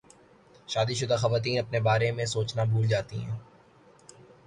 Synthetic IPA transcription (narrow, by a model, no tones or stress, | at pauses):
ʃaːd̪iʃʊd̪axɐʋaːt̪̬iːnɐpnebaːɾemẽsoːt͡ʃnabʱuːld͡ʒaːt̪ḭɦɛ̰̃ː